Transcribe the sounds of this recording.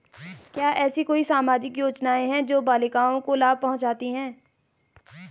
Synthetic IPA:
kjaːʔɛːsikoːisaːmaːd͡ʒɪkjoːt͡ʃnaːẽɦɛ̃d͡ʒoːbaːlɪkaːõkolaːb̚pɐɦʊ̃nt͡ʃaːt̪iɦɛ̃ː

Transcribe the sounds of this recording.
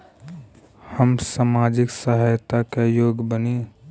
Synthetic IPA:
həmsaːmaːd͡ʒɪksaɦəjt̪akajoːɡbəne

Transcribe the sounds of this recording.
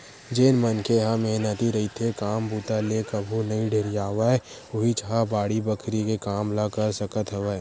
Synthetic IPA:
d͡ʒeːnmənkeɦameɦnət̪iɾɐɦit̪ʰekaːmbuːt̪alekɐbʱunɐĩɖʱeːɾjaːʋa | ʊɦit͡ʃɦabaːɽibəkʰɾikekaːmlakɐɾsəkət̪ɦɐʋəː

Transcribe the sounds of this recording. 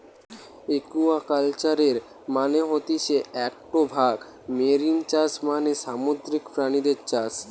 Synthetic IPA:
ekuakalt͡ɕaɾeɾ | maneɦot̪iʃeɛk̚ʈobʱaɡ | meɾint͡ɕasmaneʃamod̪ɾikfɾanid̪eɾt͡ɕas

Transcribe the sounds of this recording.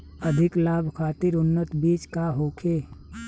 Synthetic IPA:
əd̪ʱɪklaːbʱkʰaːt̪ɪɾʊnːət̪biːt͡ʃkaɦoːkʰeː

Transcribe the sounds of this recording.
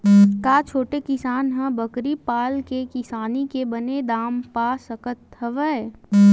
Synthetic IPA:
kaːt͡ʃʰoːʈekɪsaːnɦə̃bəkɾipaːlkekɪsaːnikebəned̪aːmpasəkət̪ɦəʋəe

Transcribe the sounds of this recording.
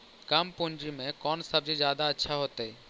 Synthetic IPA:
kəmpund͡ʒɾimẽkɔnsəbd͡ʒed͡ʒaːd̪aətːʃʰaɦot̪e

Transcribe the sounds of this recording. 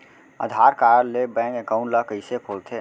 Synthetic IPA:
ə̰d̪ʱaːɾkaːɾəɾlebɛ̃ːŋkekaʊ̃ɳʈləkəɪsekʰoːlt̪ʰeː

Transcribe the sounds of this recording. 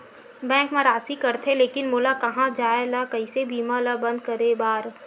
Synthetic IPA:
bɛ̃ːŋkmẽɾaːsikɐɾt̪ʰẽleːkɪnmʊːlakɐɦãd͡ʒaːelakɐĩsebʱiːmaləbɐ̃nd̪kɐɾebaːɾ

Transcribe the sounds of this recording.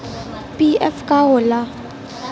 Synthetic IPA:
pʼiɛ̰fkʼaɦʊla

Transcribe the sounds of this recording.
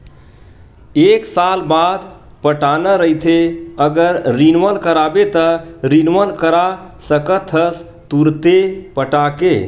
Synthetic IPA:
eksalbad̪ | pəʈanəɾəit̪ʰeəɡəɾɾinʋəlkəɾabet̪əɾinʋəlkəɾasəkət̪ʰəs | t̪uɾt̪epəʈake

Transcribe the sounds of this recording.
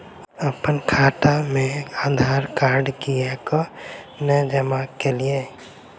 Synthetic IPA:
əpənkʰaːʈamẽad̪ʱaːɾkaːɾɖkiɛkɔnəd͡ʒəmakelie

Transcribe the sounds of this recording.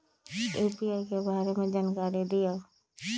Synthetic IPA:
eːpiaːikebaːɾemẽd͡ʒaːnkaɾid̪ɪjaː

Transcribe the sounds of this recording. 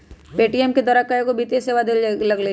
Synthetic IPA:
peːʈiɛmked̪ɔːɾakaekobiːt̪eseːʋad̪ellɐɡle

